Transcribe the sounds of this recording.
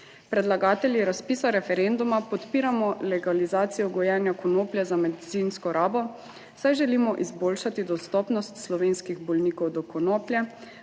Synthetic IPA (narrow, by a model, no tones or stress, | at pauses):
pɾɛd̪laɡaːt̪ɛlʲjiɾaspiːsaɾɛfɛɾɛnd̪umapɔt̪piːɾamɔlɛɡalizaːt̪sijɔɡɔjɛnjakɔnoːpljɛzamɛd̪it̪sinskɔɾaːbɔ | sajʒɛlimɔʔizboːlʃat̪id̪ɔst̪ɔːpnɔst̪slɔʋeːnskiɣbɔlniːkɔwd̪ɔkɔnoplʲjɛ